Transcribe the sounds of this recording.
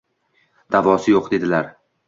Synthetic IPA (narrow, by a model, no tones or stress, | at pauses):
d̪̥avɒsɪjoqd̪e̞d̪ɪlaɾ